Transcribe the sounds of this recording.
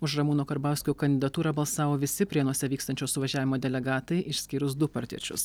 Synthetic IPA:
ʊʃɾɐmuːnoːkɐɾbɑˑʊsʲkʲuːkɐnʲd̪ʲɪd̪ɐt̪uːɾɐbɐlˠsɑːʋoːʋʲɪsʲɪpʲɾʲiɛnuɔsʲɛʋʲiːkst̪ɐnʲt͡ʃʲoːsʊʋɐʒʲæːʋʲɪmoːd̪ʲɛlʲɛɡɑːt̪ɐɪʔɪʃʲsʲkʲiːɾʊs̬d̪ʊpɐɾʲt̪ʲḭɛt͡ʃʲʊ̰s

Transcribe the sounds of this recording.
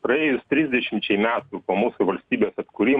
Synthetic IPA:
pɾɐeːjʊst̪ʲɾʲizʲd̪ʲɛʃʲɪmt͡ʃʲɛɪmʲæːt̪upoːmuːsʊʋɐlʲsʲt̪ʲiːbʲeːsɐt̪kʊɾʲiːm

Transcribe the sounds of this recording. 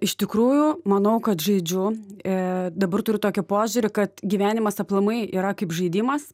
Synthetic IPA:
ɪʃt̪ʲɪkɾuːjʊmɐnɐʊkɐt̪ʒɐɪd͡ʒʲʊ | d̪ɐbɐrt̪ʊɾʲɪt̪oːkʲɪpoːʒʲʊɾʲɪkɐt̪ɡʲiːʋʲæːnʲɪmɐsɐplˠɐmɐɪʔiːɾɐkɐɪpʒɐɪd̪ʲiːmɐs

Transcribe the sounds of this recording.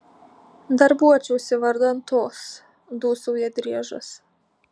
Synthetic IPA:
d̪ɐɾbuɔt͡ʃʲɛʊsʲɪʋɐɾd̪ɐnt̪oːs | d̪uːsuʊjɛd̪ʲɾʲiɛʒɐ̰s

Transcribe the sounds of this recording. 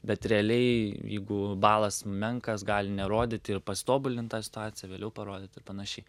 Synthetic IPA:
bʲɛt̪ɾʲɛɐlʲɛɪjɛ̰ɪɡʊbɑːlˠɐsmʲɛŋkɐsɡɑːlʲɪnʲɛɾoːd̪ʲɪt̪ʲɪrpɐst̪oːbʊlʲɪnt̪t̪ɑːsʲɪ̥t̪ʊɑːt͡sʲɪjɛʋʲeːlʲɛʊpɐɾoːd̪ʲɪt̪ɪɾpɐnɐʃʲɛɪ

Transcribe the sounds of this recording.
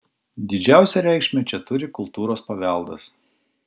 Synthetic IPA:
d̪ʲɪd͡ʒʲæˑʊsʲɛɾʲɛˑɪkʃʲmʲɛt͡ʃʲɛt̪ʊɾʲɪkʊlˠt̪uːɾoːspɐʋʲɛˑlˠd̪ɐ̰s

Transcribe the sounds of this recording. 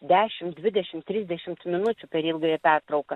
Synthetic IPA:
d̪ʲæːʃʲɪmd̪ʲʋʲɪd̪ʲɛʃʲɪmt̪ʲɾʲiːzʲd̪ʲɛʃʲɪmt̪mʲɪnʊt͡ʃʲʊpʲɛɾilˠɡɾʲeːpʲɛrt̪ɾɐʊkɐ

